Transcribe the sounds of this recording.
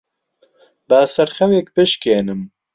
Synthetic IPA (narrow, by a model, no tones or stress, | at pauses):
baːsɛɾxɛwek̚bɨʃkeːnɨm